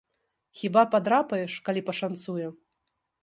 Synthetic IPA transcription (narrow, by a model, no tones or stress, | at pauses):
xʲibapad̪ɾapɐjɛʂkalʲipɐʂant̪sujɛ